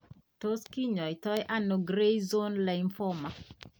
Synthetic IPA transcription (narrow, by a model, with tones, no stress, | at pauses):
to˦ski˦ɲɔ˨i˨tɔ˦jʔa˦no˨ɡɾe˦jzo˦nla˨i˦ɱfɔ˦ma˨